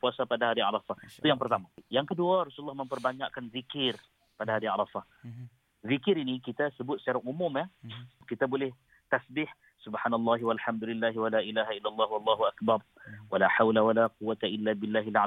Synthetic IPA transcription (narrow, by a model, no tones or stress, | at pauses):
puasapadaɦaɾia̰ɾˤɑfaht̪ujaŋpərt̪amajaŋkəduaɾɑsulːɑhməmpərbaɲaʔkanvikɪr | padaɦaɾia̰ɾˤɑfah | vikɪɾinikit̪asəbʊt̪̚sət͡ʃaɾaŋumʊmjahkit̪abolɛh | t̪asbɪh | subħaːnalˤːɑɦwalħamd̪ulɪlːaɦwalaːʔilaɦailːalˤːɑɦuwalˤːɑːɦuʔakbɑrˤ | walaħawlawalaquwːat̪aʔɪlːabɪlːaɦila